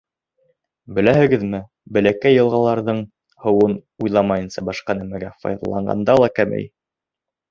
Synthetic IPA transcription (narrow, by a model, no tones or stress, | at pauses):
bɘ̆læhɘ̆ɡɘðmɘ | bɘ̆lækæjːɤ̆lˠʁɑlˠɑɾðɤɴ | hɤ̆wɤnujlˠɑmɑjɤ̆nsɑbɑʃqɑnæmæɡæfɑ̰jðɑ̰lˠɑ̰ɴɢɑ̰nd̪ɑlˠɑkæmɘ̰j